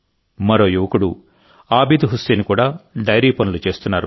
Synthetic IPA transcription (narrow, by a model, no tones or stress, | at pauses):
mɐɾo̞ːjuʋɐkuɽu | aːbiːd̪uɦuseːnikuːɽaːɖɐjɾiːpɐnulut͡ʃe̞ːst̪unːaːɾṵ